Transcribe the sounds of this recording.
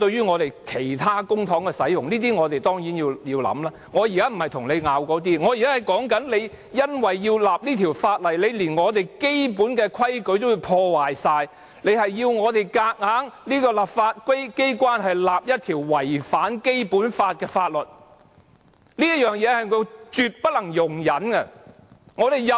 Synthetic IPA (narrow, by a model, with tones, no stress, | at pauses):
t̪ɵ˧ɥyː˥ŋɔː˨˧t̪e˨jkʰe˨˩jt̪ʰaː˥kʊ˥ŋt̪ʰɔː˨˥ŋkɛ˧sɐ˨˥jjʊ˨ŋliː˥t̪̬iː˥ŋɔː˨˧t̪e˨jt̪ɔː˥ŋjiː˨˥njiː˧wji˧wlɐ̰˨˥mlaː˥ŋɔː˨˧jiː˨˩kaː˥m̩˨˩hɐ˨˩jt̪ʰʊ˨˩ŋle˨˧jŋaː˨˧wkɔː˨˧˥t̪iː˥ŋɔː˨˧jkaː˥hɐ˨jkɔː˨˥ŋkɐ˨˥nle˨˧j | jɐ˥nwɐ˨jːiː˧wlaː˨p̚liː˥t̪ʰi˨˩wfaː˧t̚lɐ˨˩jle˨˧jliː˨˩nŋɔː˨˧t̪e˨jke˥jpuː˨˥nkɛː˧kʰwɐ˥jkɵ˨˧˥jt̪wjiː˧wpʰɔː˧waː˨˩jsaː˧j | le˨˧jhɐ˨jːiː˧wŋɔː˨˧t̪e˨˩jkaː˧k̚ŋaː˨˥ŋliː˥kɔː˧lɐ˨˩pfaː˧t̚kʷe˥jke˥jkʷwaː˥nɦɐ˨jlaː˨p̚jɐ˥t̚t̪ʰiː˨˩wwɐ˨˩jfaː˨˥nke˥jpuː˨˥nfaː˧t̚kɛː˧faː˧t̚lɵ˨˩t̚ | liː˥jɐ˥t̚jœː˨˩ŋjɛː˨˧hɐ˨jko˨˧wt͡ʃyː˨˧t̚pɐ˥t̚lɐ˨˩ŋjʊ˨˩ŋjɐ˨˥nɡɐ˧ | ŋɔː˨˧ɾe˨jɐ˨